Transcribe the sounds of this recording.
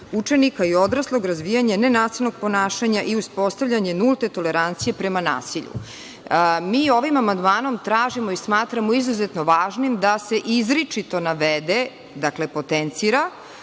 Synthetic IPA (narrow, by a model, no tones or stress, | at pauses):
ut͡ʃe̞nikaio̞d̪ɾaslˠo̞ɡɾazʋijaɲenenaːsilnoɡ̥̚po̞naːʃaɲaʔiuspo̞st̪avʎaɲe̞nulˠt̪e̞t̪o̞le̞ɾant̪sije̞pɾemana̰ːsiʎṵ | miːo̞ʋimamand̪maːno̞mt̪ɾaːʒimo̞ismaːt̪ɾamo̞izuzet̪no̞ʋaːʒnimd̪ase̞ʔizɾit͡ʃit̪o̞naʋed̪e | d̪akle̞pot̪ent̪siɾa